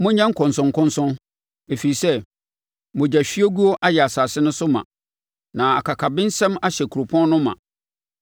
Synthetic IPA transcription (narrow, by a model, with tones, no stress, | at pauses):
mʊ̃˦ɲã˦ŋ̩˦kʰɔ̃˨nsʊ̃˨ŋ˨kʰʊ̃˦nsʊ̃˦n | e˨fi˨i˨sɛ˦ | mʊ̃˨d͡ʑa˨ɕᶣi˦a˦ɡu˦ɔ˦ʔa˦jɛ˨a˨saː˨sɪ˦nʊ̃˦sʊ˦mã̰˨ | nã˨a˨kʰa˨kʰa˨bɪ̃˦n̩˦sɛ̃˦ma˦ɕɛ˨kʰu˨o˨pʰɔ̃˦n˦nʊ̃˦mːã̰˨